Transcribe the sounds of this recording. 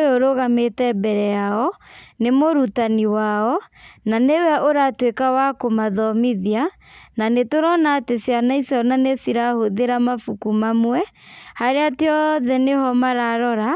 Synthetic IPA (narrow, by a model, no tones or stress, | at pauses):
oɾoɣametɛbɛɾɛjaɔnemoɾutaniwaɔnanewɛʔoɾatwekawakomaðɔmiðia | nanetoɾɔnaːtesjanaisɔnanesiɾahoðeɾamafukumamwɛhaɾeateɔðɛneɦɔmaɾaɾɔɾa